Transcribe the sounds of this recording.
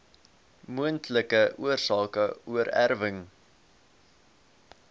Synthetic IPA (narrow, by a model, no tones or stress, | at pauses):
muəntləkəʔuərsɑːkəuəɾæ̰rvəŋ